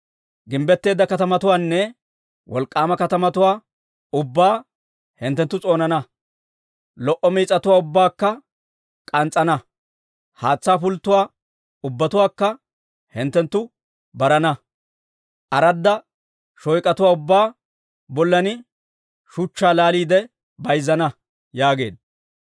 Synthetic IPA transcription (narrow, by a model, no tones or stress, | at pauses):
ɡɪmbɛt̪ːe̞ːd̪ːɐkɐt̪ɐmɐt̪ʊwaːnːɛ | wɔ̰lkʼːaːmɐkɐt̪ɐmɐt̪ʊwaː | ʊbːaː | hɪnt̪ːɛnt̪ːʊt͡sʼo̞ːnɐnɐ | lɔʔɔmiːt͡sʼːɐt̪ʊwaːʊbːaːkːɐ | kʼɐnt͡sʼːɐnɐ | haːt͡sːaːfʊlt̪ːʊwaː | ʊbːɐt̪ʊwaːkːɐ | hɪnt̪ːɛnt̪ːʊ | bɐɾɐnɐ | ʔɐɾɐd̪ːɐ | ʃɔjkʼːɐt̪ʊwaːʊbːaː | bɔlːɐnɪ | ʃʊt͡ʃːaːlaːliːd̪ɛ | bɐjzːɐnɐ | jaːɡe̞ːd̪ɐ